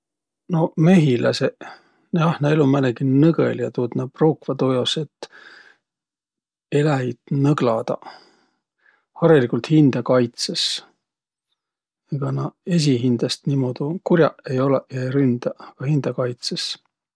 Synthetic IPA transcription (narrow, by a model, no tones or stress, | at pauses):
no̞me̞ɦilɑse | jɑhnɑelumæneɡinɤɡḛljɑt̪uːd̪nɑproːkvɑt̪ojoset̪ː | e̞læid̪̥nɤɡ̥lɑd̪̥ɑ̰ | hɑɾelikult̪hind̪̥ɑkɑjt̪ses | eɡ̥ɑnɑe̞s̬iɦind̪̥ɑst̪nimod̪ukurʲjɑ̰e̞jo̞leʔeɾynd̪̥ɑɑɡ̥ɑhind̪̥ɑkɑjt̪ses